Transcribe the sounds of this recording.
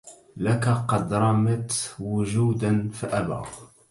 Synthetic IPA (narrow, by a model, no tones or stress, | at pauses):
lakaqɑd̪ɾˤɑmat̪wʊʒuːd̪anfiʔabɑ̰ɣ